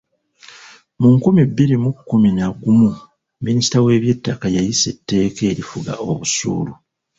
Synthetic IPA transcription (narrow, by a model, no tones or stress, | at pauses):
muŋkumibːiɾimukːuminaɡumu | minisi̥tawe̞ːβje̞tːakajajise̞tːe̞ːke̞ːɾifuɡa̰o̞̰βusṵːlu